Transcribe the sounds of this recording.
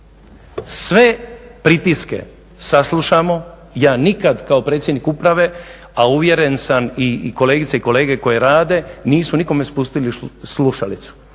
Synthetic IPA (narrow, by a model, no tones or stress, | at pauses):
sʋepɾit̪iske̞̰ | saslˠuʃamo̞ | jaːnikad̪kaopɾet̪sʲjed̪nikupɾaʋe̞ | auʋje̞ɾe̞nsaniko̞leːɡit̪seiko̞le̞ːɡe̞ko̞je̞ɾaːd̪e̞niːsuniko̞me̞spust̪ilisluʃalit̪su̥